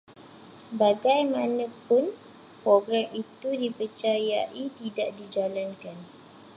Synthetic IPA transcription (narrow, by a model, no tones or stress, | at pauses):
baɡajmãnə̃pʊn | pɾɔɡɾamit̪udipət͡ʃajaʔit̪idaʔdid͡ʒalankan